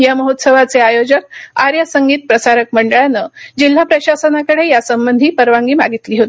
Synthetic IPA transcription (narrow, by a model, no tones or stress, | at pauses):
jaməɦot̪səʋat͡seajod͡ʑəkaɾjəsəŋɡiːt̪̚pɾəsaɾək̚məɳɖəɭjanːəd͡ʑil̤ːapɾəɕasənakəɽejasəmbənd̪ʱiːpəɾʋaŋɡiːma̰ɡit̪liːɦot̪i